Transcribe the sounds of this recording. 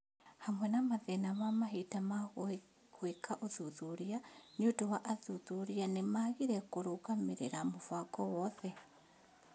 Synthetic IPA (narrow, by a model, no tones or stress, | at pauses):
hamwɛnamaðɛnamamaɦitamaɣ | ɣwekʰaʔoðuðuɾiaɲotowaʔaðuðuɾianemaɣiɾɛkoɾokameɾeɾamofakɔwɔðɛ